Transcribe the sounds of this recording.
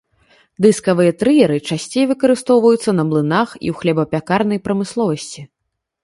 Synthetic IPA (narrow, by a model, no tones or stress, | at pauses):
d̪ɨskɐvɨjɐt̪ɾɨjɛɾɨt͡ʂasʲt͡sʲejvɨkɐɾɨst̪ɔwvɐjut̪sːɐnɐblˠɨnaxḭwxlʲɛbɐpʲakarnɐjpɾɐmɨslˠɔvɐsʲt͡sʲi